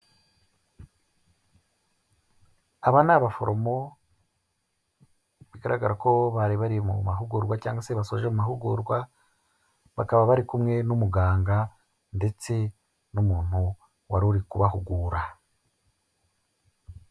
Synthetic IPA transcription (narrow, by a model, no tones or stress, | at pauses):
aβanaβafo̞̰ɾo̞mo̞ | βiɡaɾaɡaɾako̞βaɾiβaɾijemumaɦuɡuɾɡwacaːŋɡase̞βasoʒemumaɦuɡuɾɡwa | βakaβaβaɾikumŋe̞numuɡaːŋɡa | nde̞t͡se̞ | numuːn̥hu | waɾuɾikuβaɦuɡuːɾa